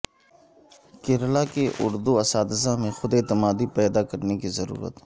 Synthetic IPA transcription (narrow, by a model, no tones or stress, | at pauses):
kɪɾlakeʔʊ̰ɾd̪uɐsaːd̪sãmẽxʊd̪eːt̪ɪmaːd̪ipɛːd̪akɐɾnekizɐɾṵːɾə̰t̪